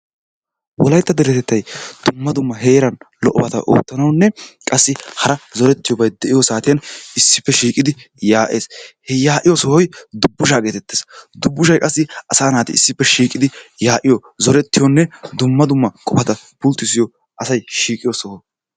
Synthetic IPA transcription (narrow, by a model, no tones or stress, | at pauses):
wɔ̰lɐjt̪ːɐd̪ɛɾɛt̪ɛt̪ːɐjd̪̥ʊmːɐd̪ʊmːɐɦe̞ːɾɐnlɔʔɔbɐt̪ɐ̰ʔo̰ːt̪ːɐnɐwnːɛkʼɐsːɪhɐɾɐzɔɾɛt̪ːɪjɔbɐjd̪ɛʔɪjɔsaːt̪ɪjɐnɪsːɪpːɛʃiːkʼɪd̪ɪ | jaːʔe̞ːshɛjaːʔɪjɔsɔhɔjd̪ʊbːʊʃaːɡe̞ːt̪ɛt̪ːeːsd̪ʊbːʊʃɐjkʼɐsːɪɐsaːnaːt̪ɪ̰ɪsːɪpːɛʃiːkʼɪd̪ɪjaːʔɪjɔzɔɾɛt̪ːɪjɔnːɛd̪ʊmːɐd̪ʊmːɐkʼɔpɐt̪ɐ | pʊlt̪ːɪsɪjɔ | ʔɐsɐjʃiːkʼɪjɔsɔhɔ